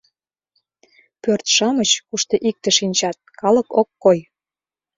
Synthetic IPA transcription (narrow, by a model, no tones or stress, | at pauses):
pørt̪ʃɑmət͡ɕkuʃt̪ɤ̆ʔik̚t̪ə̆ʃinʲt͡ɕɑt̪̚kɑləkokːoj